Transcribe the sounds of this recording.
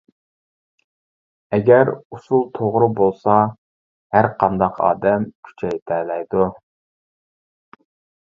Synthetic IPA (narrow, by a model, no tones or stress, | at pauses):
ɛɡʲɛɾusulˠt̪ʰoʁɾʊbolˠsɑ | hæɾqʰɑnd̪ɑqʰɑ̰ːd̪ɛmkʲʰy̥t͡ʃʰɛjt̪ʰɛːlɛjd̪u